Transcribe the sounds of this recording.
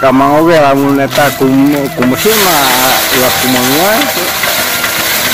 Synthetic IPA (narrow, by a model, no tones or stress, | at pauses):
kamaŋoβelamunɛt̪akukumasirnalakumaŋuait̪u